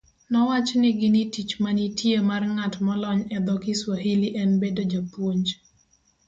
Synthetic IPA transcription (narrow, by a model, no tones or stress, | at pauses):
nɔwat͡ʃnɪɡɪnitit͡ʃmanitjemarŋatmɔlɔɲɛd̪ɔkɪswaɦiliʔɛnbedod͡ʒapwoɲd͡ʒ